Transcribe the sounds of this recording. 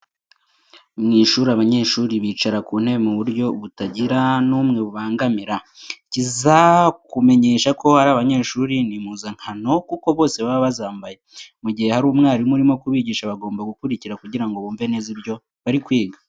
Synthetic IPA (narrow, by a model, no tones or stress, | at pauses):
mŋiːʃuːɾaβaɲe̞ːʃuːɾiβiːt͡ʃaɾakuːn̥he̞βemuβuɾjo̞βutaɟiɾanuːmŋe̞βuβaːŋɡamiɾa | cizakume̞ɲe̞ːʃako̞haɾaβaɲe̞ːʃuːɾinimuːzaŋ̥hano̞kuko̞βo̞ːse̞βaβaβazaːmbaje̞muɟihe̞haɾuːmŋaːɾimuɾimo̞kuβiːɟiːʃaβaɡo̞ːmbaɡukuɾiciɾakuɟiɾaŋɡo̞βuːɱve̞nezibjo̞ | βaɾikwiːɡa